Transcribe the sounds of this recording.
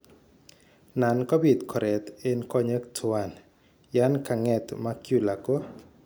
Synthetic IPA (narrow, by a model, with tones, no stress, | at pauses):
na˨nkɔ˦bi˨t̪kʰɔ˨ɾɛ˨t̪e˦nkɔ˦ɲe˦ktʰʊwa˨n | ja˦nka˨ŋɛ˨t̪ma˦kju˦la˨ko˦